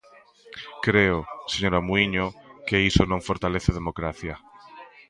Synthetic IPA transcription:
kɾeoseɲoɾamuiɲokeisonõŋfoɾt̪aleθeðemokɾaθja

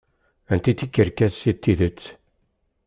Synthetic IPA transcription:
ænt̪it̪ːikːəɾkæðsit̪ːiðət͡sː

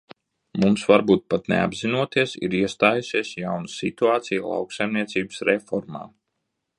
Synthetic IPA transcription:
mumsvaɾbuːt̪̚pat̪nḛa̰bzinuɔt̪iɛsḭɾiɛst̪aːjusiɛsjawnasit̪uaːt̪sijlˠa̰wksajmniɛt̪siːbəsɾɛfɔɾma̰ː

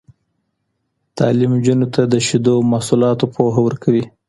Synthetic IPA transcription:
t̪ɑ̰limd͡ʒunot̪ʰad̪əʃid̪omahsulɑt̪opʰoɦawəɾkʰawi

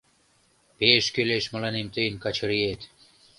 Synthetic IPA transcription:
peʃkøleʃməlɑnemt̪ejnkɑt͡ɕʰɤɾiet̪

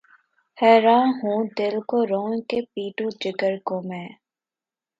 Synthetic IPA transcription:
hɛːɾãːnɦũːd̪ɪlkoɾoːnkepiːʈũd͡ʒɪɡəɾkõːmẽː

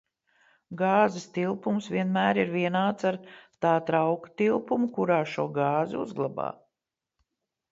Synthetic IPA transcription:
ɡɑːzɛst̪ilˠpumsviɛnmæːɾiɾviɛnaːt̪saɾt̪aːt̪ɾawkɐ̥t̪ilˠpumukuɾaːʃuɔɡɑːziuzɡlˠaba̰ː

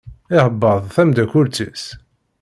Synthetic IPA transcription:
ɪhəbːəðˤθæmd̪ækʊɾt͡sːis

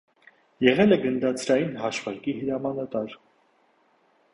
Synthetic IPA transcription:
jɛʁɛlɛɡənd̪ɑt͡sʰɾɑjinɦɑʃvɑɾkihəɾɑmɑnɑt̪ɑɾ

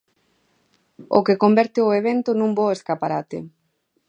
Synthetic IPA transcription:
o̰kekombɛɾt̪ɪoeβent̪ʊnũmboeskapaɾat̪ɪ̰

